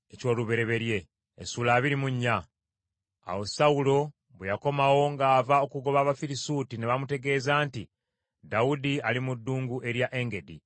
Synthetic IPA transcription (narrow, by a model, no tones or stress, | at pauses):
eco̞ːluβe̞ɾe̞βe̞ɾje̞ː | sulaːβiɾimuɲːaː | wo̞sawulo̞ | βwejako̞mawo̞ŋɡaːvao̞kuɡo̞βaːβafiɾisuːtine̞βamute̞ɡe̞ːzaːnti | daudialimudːuːŋɡuʔe̞ɾjaʔe̞ŋɡe̞di